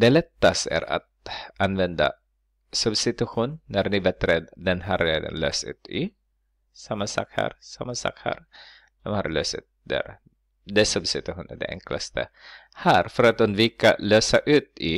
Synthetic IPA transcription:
d̪ɛlɛt̪ːast̪æ̰ɾa̰t̪̚ʔanvɛnd̪a̰ | sɵbsɪt̪ʉɧuːnːæɾnɪbɛt̪ɾɛd̪d̪ɛnɦaɾḛːd̪ə̰nlø̰ːsʉ̟ːt̪ɪ | samːasa̰k̚ha̰ɾsamːansa̰khɛ̰ɾ | d̪̥ɔmha̰ɾløːsʉ̟ːt̪̚d̪ɛ̰ɾ | d̪ɛsɵbsɪt̪ʉɧuːnɛɖɛ̰ʔɛŋklast̪əhæɾfœɾat̪ɵnd̪viːkaløːsaʔʉ̟ːt̪ɪ

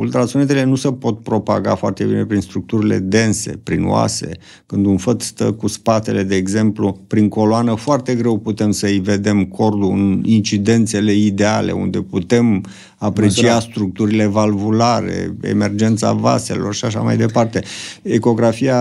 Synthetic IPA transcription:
ult̪ɾat̪sionet̪̬ele̞nusepo̞t̪̚pɾo̞pa̰ɡa̰foa̰rt̪e̞bine̞pɾinst̪ɾuk̚t̪uɾile̞̰d̪e̞nse̞̰pɾino̰a̰se̞̰ | kɨnd̪unfət̪st̪əkuspat̪e̞le̞d̪e̞ːɡze̞mplupɾiŋko̞loanəfoart̪e̞ɡɾe̞wput̪e̞msəɨjve̞d̪e̞mkʰo̞rd̪uɨ̰nint͡ʃid̪e̞nt̪se̞le̞id̪e̞ale̞̰ṵnd̪e̞put̪e̞m | apɾet͡ʃiast̪ɾuk̚t̪uɾile̞valvulaɾe̞̰ḛme̞rd͡ʒe̞nt̪sa̰va̰se̞̰lo̞rʃiaʃ̬a̰ma̰jd̪epart̪e̞eko̞ɡɾafia

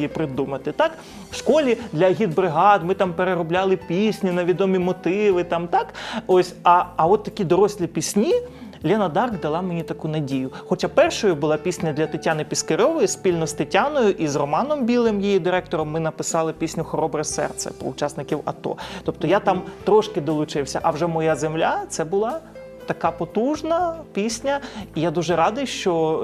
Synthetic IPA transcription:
jipɾɪd̪umɐt̪ɪt̪ɑk | wʃkɔlʲid̪lʲɐɦʲid̪̚bɾɪɦɑd̪mɪt̪ɑmpeɾeɾɔblʲalˠɪpʲisʲnʲinɐʋʲid̪ɔmʲimɔt̪ɪʋɪt̪ɑmt̪ɑkosʲɐːɔt̪ːɐkʲid̪ɔɾɔsʲlʲipʲisʲnʲi | lʲɛnɐd̪ɑrɡd̪ɐlˠɑmenʲit̪ɐkunɐdʲijʊxɔt͡ʃapɛrʃɔjʊbʊlˠɑpʲisʲnʲɐd̪lʲɐt̪ɪtʲanɪpʲiskɐɾʲɔʋɔjispʲilʲnɔst̪ɪtʲanɔjʊʔizrɔmɑnɔmbʲilˠɪmjijid̪ɪɾɛkt̪ɔɾɔmːɪnɐpɪsɑlˠɪpʲisʲnʲʊxɔɾɔbɾɪsɛ̰rt̪sɛ̰pɾɔ̰ʊt͡ʃasnɪkʲiwɐ̰t̪ɔ̰t̪ɔp̚t̪ɔjat̪ɑmt̪ɾɔʃkɪd̪ɔlˠʊt͡ʃɪwsʲɐʔɐwʒɛmɔjazemlʲat̪sɛbʊlˠɑ | t̪ɐkapɔt̪uʒnɐpʲisʲnʲɐijad̪uʒɛɾɑd̪ɪjʃt͡ʃɔ

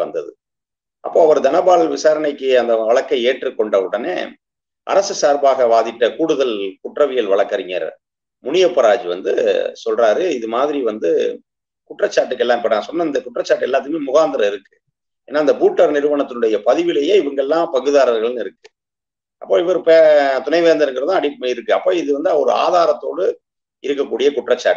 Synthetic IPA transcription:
ɐ̰nd̪ɐðɯ | ʔɐ̰pːoːɐʋɐɾɯd̪ɐnɐbaːɭʋɪsaːɾɐɳɐɪkːɯɐnd̪ɐʋɐɭɐkːɐeːʈrɯkːɔɳɖɐʋɯɽɐnḛː | ʔɐ̰ɾɐsɯsaːɾbaːɣɐʋaːðɪʈːɐkuːɽɯðɐlkʊʈrɐʋɪjɐlʋɐɭɐkːɐɾɪŋɐ̰ɾ̰ | mʊnɪjɐpːɐɾaːd͡ʒiʋɐ̰nd̪ɯsɔlraːɾɯɪðɯmaːðɪɾiʋɐnd̪ɯ | kʊʈrɐt͡ʃːaːʈːɯkːɛlːaːmpɐɽːsɔnːɐɪnd̪ɐkʊʈrɐt͡ʃːaːʈːɛlːaːt̪ːɯɯmeːmʊɣaːnd̪ɪɾɐɪɾɯkːɯ | ḛːnːaːɪnd̪ɐbuːʈːɐɾnɪɾɯʋɐnɐt̪ːɯnɯɽɐjɐpɐðɪʋɪlɐjeːɪʋɐŋɡɐɭɛlːãːpɐɣɯðaːɾɐɾɣɐɭɯnɪɾɯkːɯ | ʔɐpːoːɪʋɐɾɯpeːt̪ʊnɐɪʋeːnd̪ɐɾɯŋɡɪɾɐðãːɐɽɪpːɐmeːɪɾɯkːɯɐpːoːɪðɯʋɐnd̪ɔɾɯ̰a̰ːðaːɾɐt̪ːoːɽɯ | ɪɾɯkːɐkːuːɽɪjɐkʊʈrɐt͡ʃːa̰ːʈː

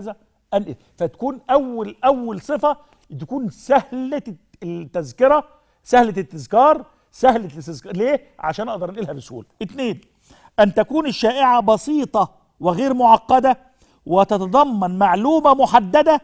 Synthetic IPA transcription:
zæ | ʔænʔḛ | fæt̪æ̥kuːnʔæwːælʔæwːælsˤɨfæ | t̪ækuːnsæhl | t̪ːæzkɪɾɑ | sæhlæt̪ːɪzkɑːɾˤ | sæhlɪsɪzkɑleː | ʕa̰ʃæːnʔɑʔd̪ˤɑɾˤnʔiːlhæbɪsʔṵːlʔɪt̪neːn | ʔænt̪ækuːnɪʃːæːʔɪʕabɑsˤiːt̪ˤɑ | wɪɣeːɾmʊʕɑqːɑd̪æ | wɪt̪ɑt̪ɑd̪ˤɑmːɑnmaʕluːmæmʊħad̪ːæd̪æ

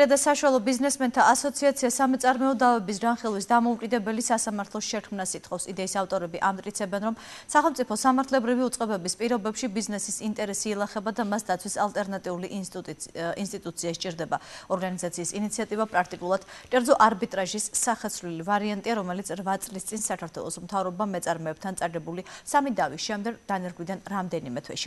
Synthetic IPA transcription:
ɾad̪asaʃualˠɔbiznɛsmɛnt̪ʰaasɔt̪sʰiat̪sʰiasamit̪sʼaɾmɛud̪avɛbis̬ɡanχilˠwisd̪amɔukʼid̪ɛbɛlisasamaɾt̪ʰlˠɔsʃɛkʰmnasit̪ʰχɔfsid̪ɛisaft̪ʼɔɾɛbiʔamt̪ʼkʼit̪sʰɛbɛnɾɔmsaχɛlˠmt̪sʼipʰɔsamaɾt̪ʰlɛbɾiviut̪sʼqʼɛbɛbispʼiɾɔbɛpʃibiznɛsisint̪ʼɛɾɛsiːlˠaχɛbad̪amasd̪at̪sʰwisalˠt̪ʼɛɾnat̪ʼiuliʔ | inst̪ʼit̪ʼut̪sʰiaʃt͡ʃʼiɾd̪ɛbaɔɾɡanizat̪sʰiːsinit̪sʰiat̪ʼivapʼɾak̚ʰt̪ʼikʼulˠad̪̥kʼɛɾd̪zɔʔaɾbit̪ʼɾaʒisːaχɛsʰvlilivaɾiant̪ʼiaɾɔmɛlit̪sʰɾvat̪sʼlist̪sʼinsakʰaɾt̪ʰwɛ̰lˠɔsmt̪ʰavɾɔbamɛt̪sʼaɾmɔɛb̥̚t̪ʰant̪sʼaɡɛbulisamid̪avisʃɛmd̪ɛɡd̪̥anɛɾɡwid̪anɾamd̪ɛnimɛt̪ʰwɛ̰ʃi̥

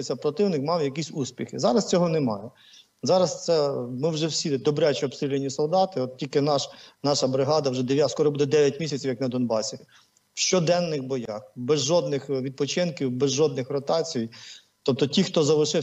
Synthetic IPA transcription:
ɪt͡sʲːɐpɾɔt̪ɪwnɪkmɑwjɐk̬ʲisʲusʲpʲixɪzɑɾɐst͡sʲɔɦɔnemɑjɛ | zɑɾɐst̪sɛmɪwʒɛwsʲid̪ɔbɾɛt͡ʃɛɔbst̪ɾʲilʲenʲːisɔlˠd̪ɑt̪ɪɔt̪̚tʲilʲkɪnɑʃnɑʃɐbɾɪɦɑd̪ɐwʒɛd̪eʋjaskɔɾɔbud̪ɛd̪ɛʋʲjɐtʲmʲisʲɐt͡sʲiwjɐknɐd̪ɔnbɑsʲi | wʃt͡ʃɔd̪ɛnːɪxbɔjɑxbɛzʒɔd̪nɪxʋʲid̪̚pɔt͡ʃɪnkʲiwbɛzʒɔd̪nɪxrɔt̪ɑt͡sʲijij | t̪ɔp̚t̪ɔtʲixt̪ɔzɐʋɪʃɪ

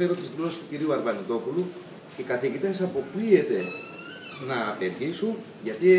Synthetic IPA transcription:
e̞ɾo̞t̪izðlo̞se̥st̪uciɾiuɐɾvɐnit̪o̞pulu | ce̞kɐθiʝit̪e̞sɐpo̞plie̞t̪e̞ | nɐːpe̞ɾʝisun | ʝɐt̪i

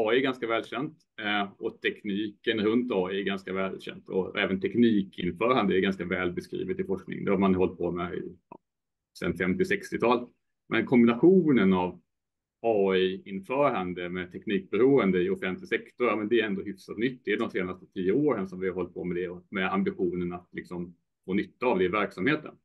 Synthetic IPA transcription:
ɑːʏɛɾɡanskavɛːlɕɛnt̪ | ɔt̪ʰɛkniːkənɾɵnt̪ɑːɪæɾɡanskavɛːlɕɛ̰nt̪ɔ̰ɛ̰ːvənt̪ʰɛkniːkʰɪnfœːɾand̪əæɾɡanskavɛːlbɛskɾḭːvət̪ɪfɔʂknɪ̰ŋd̪ɛamanhɔlt̪̚pʰɔmɛ̰ɑ̰ː | sɛ̰nfɛmt̪ɪsɛkst̪ɪt̪ʰɑːl | mʔɛnkʰɔmbɪnaɧuːnənav | ɑːiɪnfœːɾand̪əmɛt̪ʰɛkniːk̚bɛɾuːənd̪əɪʊfɛnt̪lɪsɛkt̪ʊɾjɑmɛnd̪ɛæɾɛnd̪oɦʏfsat̪nʏt̪ːd̪ɛæd̪ɔmseːnast̪ə̥t̪ʰiːjəoːɾənsɔmvɪhaɾhɔlt̪̚pʰomɛd̪ɛɔmɛambɪɧuːnənat̪lɪksɔm | foːnʏt̪ːaːvd̪ɛɪvæɾksamheːt̪ə̰n

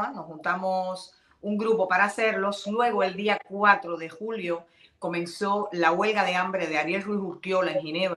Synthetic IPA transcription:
anosxunt̪amos | uŋɡɾupo̞paɾaːse̞ɾlo̞slwe̞ɣ̞o̞e̞ld̪iakwat̪ɾo̞ðe̞xuljo̞ | ko̞mẽ̞nsolawe̞lɣaðe̞ambɾe̞ð̞eaɾje̞lrwisuɾt̪jo̞laeŋxine̞β

